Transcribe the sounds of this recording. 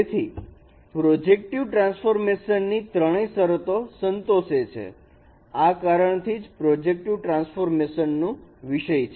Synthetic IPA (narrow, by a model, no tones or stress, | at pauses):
et̪ʰi | pɾod͡ʒek̚ʈiʋʈɾãnsfoɾmeʃənːit̪ɾəɽ̃esəɾət̪osənt̪oʃet͡ʃʰḛ | akaɾəɳt̪ʰid͡ʒpɾod͡ʒek̚ʈiʋʈɾãnsfoɾmeʃənːũʋiʃəjt͡ʃʰe